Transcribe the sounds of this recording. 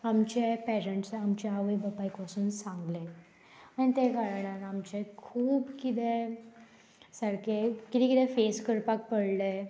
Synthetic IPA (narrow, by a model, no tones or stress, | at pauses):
amt͡ɕepɛɾəɳʈsamt͡ɕaaʋəbəpaikpəsuːnsãŋɡle | añit̪ekaɾəɳaɾamt͡ɕekʰuːbkit̪e | səɽkekit̪ɛ̃kit̪ɛ̃feskəɾpak̚pəɽle